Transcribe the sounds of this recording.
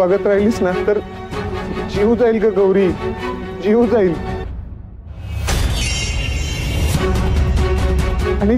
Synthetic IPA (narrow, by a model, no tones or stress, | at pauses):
aɡət̪ɾajliːsnast̪əɾ | d͡ʑiud͡zailkaɡəwɾiː | d͡ʑiud͡zaiːl | aɽ̃i